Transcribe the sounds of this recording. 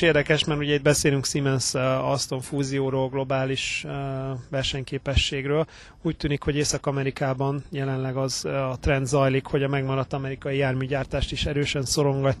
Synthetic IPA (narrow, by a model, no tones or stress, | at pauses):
eːrd̪ɛkɛʃmɛrt̪uɟɛid̪̚bɛseːlyŋksimɛnsɒst̪o̞ɱfuːzijoːɾoːlɡlo̞baːliʃ | ʋɛrʃɛɲkeːpɛʃːeːɡrøːl | uːct̪yːnikho̞ɟeːsɒkɒmɛɾikaːbɒnjɛlɛnlɛɡɒzɒt̪rɛnd̪zɒjlikho̞ɟɒmɛɡmɒɾɒt̪ːɒmɛɾikɒjijaːrmyːɟaːrt̪aːʃt̪iʃɛɾøːʃɛnso̞ɾo̞ŋɡɒcː